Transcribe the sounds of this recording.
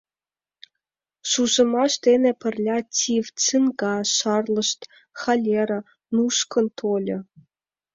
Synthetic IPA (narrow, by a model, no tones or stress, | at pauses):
ʃuʒɤ̆mɑʃt̪enʲĕpʲɘ̆rʲlʲɑtʲʰivt͡sɨnɡɑʃɑrlˠɤ̆ʃt̪ | xɑlʲeɾʲɤ̆ | nuʃkɤ̆nt̪ʰolʲɤ̆